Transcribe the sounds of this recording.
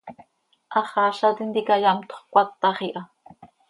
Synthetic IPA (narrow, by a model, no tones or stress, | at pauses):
ʔɑχɑɬat̪ind̪ikajamt̪o̥χkʷat̪ːɑχiʔa